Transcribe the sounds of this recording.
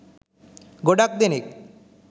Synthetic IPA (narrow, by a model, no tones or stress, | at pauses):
ɡoɖak̚d̪enik̚